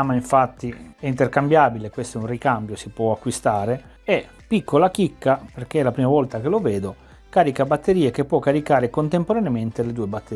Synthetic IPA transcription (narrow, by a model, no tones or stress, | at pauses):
amaiɱfat̪ːiɛint̪erkambjaːbilekwest̪oɛunrikambjosipwɔakːwist̪aːɾe | ɛ | pːikːolakikːaperk̟elapɾiːmavɔlt̪akeloveːd̪o | kaːɾikabat̪ːeɾiːek̟epːwɔkːaɾikaːɾekont̪empoɾanement̪eled̪uːebat̪ːe